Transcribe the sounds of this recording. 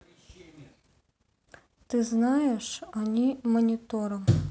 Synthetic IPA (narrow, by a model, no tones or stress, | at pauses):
t̪ɨznɑjeʂɔnʲimɔnʲit̪ɔɾɐm